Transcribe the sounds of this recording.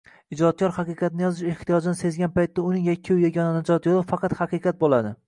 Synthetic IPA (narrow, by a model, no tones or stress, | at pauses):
ɪd͡ʒɒt̪̚kʰʲɒɾhɑqɨqʰɑt̪nɪjɒzɪʃeht̪ijɒd͡ʒɪnɪse̞zɡʲanpajt̪ːaʊnɪŋjakʲʰːajaɡʲɒnanad͡ʒɒt̪jolˠɪfːɑqʰɑt̪hɑqɨqʰɑt̪̚bolˠad̪ɪ